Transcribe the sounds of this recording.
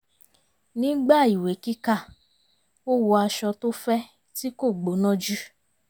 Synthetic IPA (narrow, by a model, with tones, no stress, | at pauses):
nĩ˨˦ɡ͡ba˦˨i˨we˨˦ki˦ka˦˨ | o˦wu˧a˧ʃɔ˧to˦fɛ˦ | ti˦ko˦˨ɡ͡bo˨˦nɔ̃˦d͡ʒu˦